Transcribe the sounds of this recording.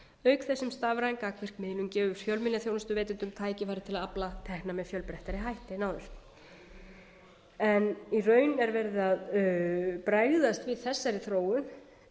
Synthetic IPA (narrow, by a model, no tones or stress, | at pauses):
œːɥkθɛsːɪmst̪aːvɾajŋkaːkʰvɪr̥kmɪːðlʏmcɛːvʏ̥fjœlmɪljaθjownʏst̪ʏveːjt̪ɪnt̪ʏmt̪ʰaːjcɪfajɾɪt̪ʰɪlaðaplat̪ʰɛhknamɛðfjœlpɾɛht̪aɾɪɦajht̪ɪnaːwðʏɾ̥ | ɛnirœːɥnɛɾvɛɾðɪað | pɾajɣðast̪vɪðθɛsːaɾɪθɾoːwʏn